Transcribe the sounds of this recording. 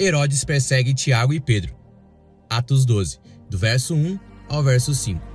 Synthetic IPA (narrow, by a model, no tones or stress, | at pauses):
eɾod͡ʒɪspeɾsɛɡɪ̃t͡ʃiaɡʊɪped̪ɾʊ | at̪ʊz̬d̪ozɪ̥d̪ʊvɛɾsʊũawvɛɾsʊsĩkʊ̥